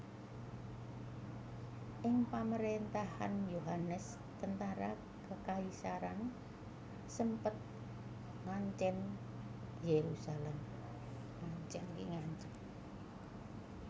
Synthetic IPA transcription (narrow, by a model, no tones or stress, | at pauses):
ʔɪŋpaməɾent̪aha̰njoɦanəs | t̪ənt̪aɾa | kəkaisaɾan | səmpət̪̚ | ŋaɲt͡ʃɛn | jeɾusalɛm | ŋaɲt͡ʃɛnkḭŋaɲt͡ʃɛn